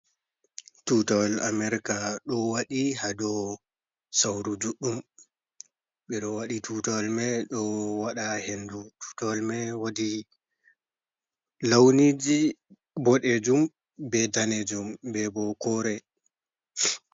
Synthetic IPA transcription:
tutawla̰mɛɾikaɗɔwaɗihadɔ | sawɾud͡ʒuɗːum | ɓɛɗɔwaɗitʰutawlmɛɗɔwaɗahendutʰu̥tawlmɛwadi | lawnid͡ʒi | bɔɗɛd͡ʒum | bɛdanɛd͡ʒumbɛbɔkɔɾɛ

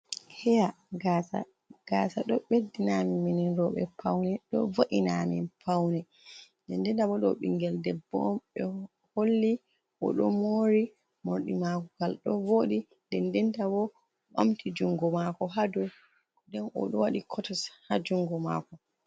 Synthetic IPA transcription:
hɛja | ɡasa̰ | ɡ̥asaɗɔɓedinamimininɾɔɓɛ̰pʰawnɛɗɔ̰vaʔinamḭnpʰawnɛ | dɛndɛntabɔɗɔɓḭŋɡɛldɛbɔmɓɛ | holːi | ʔɔ̰ɗɔ̰moɾi | moɾɗimakɔɡalɗɔvoɗi | ndɛndɛntabɔ | ɓa̰mtʰid͡ʒuŋɡɔmakɔɦadɔ | dɛnʔɔ̰ɗɔwaɗikʰɔtɔshad͡ʒuŋɡɔma̰kɔ

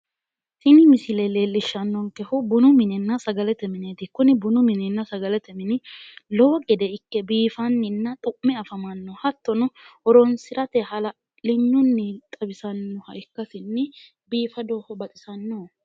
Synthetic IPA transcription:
tɪnɪmɪsɪleːleːlːɪʃːɐnːɔŋkɛhʊbʊnʊmɪnɛnːɐsɐɡɐlɛt̪ɛmɪneːt̪ɪkːʊnɪbʊnʊmɪnɛnːɐsɐɡɐlɛt̪ɛmɪnɪlɔwɔɡʼɛd̪ɛɪkːɛbiːfɐnːɪnːɐt̪ʼʊʔmɛɐfɐmɐnːɔhɐt̪ːɔnʊʔɔɾɔnsɪɾɐt̪ɛhɐlɐ | lɪɲːʊnːɪt̪ʼɐbɪsɐnːɔhɐʔɪkːɐsɪnːɪ | biːfɐd̪oːhɔbɐt̪ʼɪsɐnːo

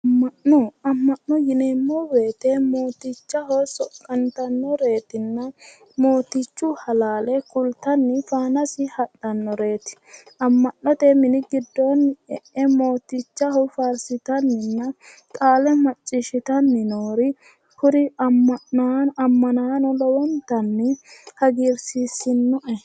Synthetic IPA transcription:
ɐmːɐʔɔɐmːɐʔnːɔjɪnɛmːɔweːt̪emo̞ːt̪ɪt͡ʃːɐɦɔsɔkʼːɐnt̪ɐnːɔɾe̞ːt̪ɪnːɐ | mo̞ːt̪ɪt͡ʃːʊhɐlaːlɛkʊlt̪ɐnːɪfaːnɐsɪhɐɗɐnːɔɾe̞ːt̪ɪ̥ | ɐmːɐnːɔt̪ɛmɪnɪɡɪd̪ːoːnɛʔɛmo̞ːt̪ɪt͡ʃːɐhɔfaːɾsɪt̪ɐnːɪnːɐ | kʼaːlɛmɐt͡ʃʼːɪʃɪt̪ɐnːɪnoːɾɪ | hʊɾɪɐmːɐaɐmːɐnaːnɔlɔwɔnt̪ɐnːɪhɐɡiːɾsiːsɪnːɔʔɛ

